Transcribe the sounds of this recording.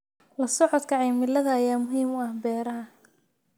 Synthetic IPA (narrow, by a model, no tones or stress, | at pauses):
lɐsɔʕɔd̪kʰɐʕɛjmɪlɐðɐːjaːmʊɦiːmʊɐhbɛːɾɐɦɐ